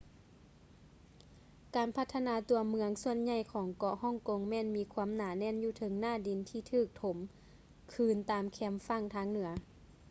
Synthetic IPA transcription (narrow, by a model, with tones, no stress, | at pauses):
kaː˨˩npʰa˧t̪ʰːa˧naː˧˥t̪u˨˧ɐmɯ˧˦əŋsu˧˩ənɲa˧˩jkʰɔː˩˦ŋkɔ˧˩hɔ˥˨ŋko˧ŋmɛː˧˨nmiː˨˧˥kʰuː˧əmnaː˨˦nɛː˧˥˨njuː˧˦t̪ʰɤ˨˦ŋnaː˧˥˩di˨nt̪ʰiː˧˩t̪ʰɯː˧˩k̚t̪ʰo˩˦m | kʰɯː˧˩nt̪aː˨˩mkʰɛː˧mfa˧˥˨ŋt̪ʰaː˧˥ŋnɯ˩˦ɐ